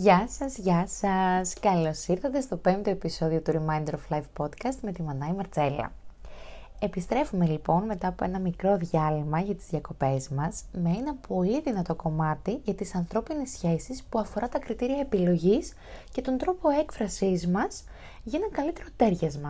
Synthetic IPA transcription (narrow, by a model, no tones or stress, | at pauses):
ʝɐsɐzʝɐsɐskɐlo̞siɾθɐt̪e̞st̪opent̪oe̞piso̞ðio̞t̪uɾimɐjnd̪eɾoflɐjvpo̞d̪kɐst̪me̞t̪imɐnɐimɐɾt͡se̞lɐ̰ | e̞pist̪ɾe̞fume̞lipo̞nme̞t̪ɐːpo̞e̞nɐmikɾo̞ðʝɐlimɐʝɐt̪i̥zðʝɐko̞pe̞zmɐsmeenɐpʰo̞liðinɐt̪o̞ko̞mɐt̪iʝɐt̪isɐnθɾo̞pinesçe̞sispuɐfo̞ɾɐt̪ɐkɾit̪iɾiɐepilo̞ʝis | ce̞t̪o̞nd̪ɾo̞po̞e̞kfɾɐsizmɐs | ʝɐenɐkɐlit̪e̞ɾo̞t̪e̞ɾʝɐzmɐ